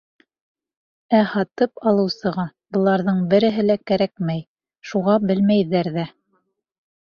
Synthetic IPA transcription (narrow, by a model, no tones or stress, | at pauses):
æhɑt̪ɤpɑlˠɤ̆wsɤ̆ʁɑ | bɤ̆lˠɑɾðɤɴbɘ̆ɾɘ̆ɦɘ̆lækæɾækmæj | ʃuʁɑbɘlmæjðæɾðæ